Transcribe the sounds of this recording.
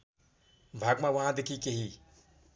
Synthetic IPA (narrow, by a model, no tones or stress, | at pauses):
bʱaːɡmaʋəɦãd̪ekʰikeɦi